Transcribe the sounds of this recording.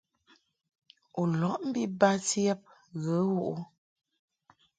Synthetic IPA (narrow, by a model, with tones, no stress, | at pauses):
o˨lɔ˨˦ʔm̩˦bi˦ba˦tjɛ˦p̚ɣə˨˦wu˦ʔu˦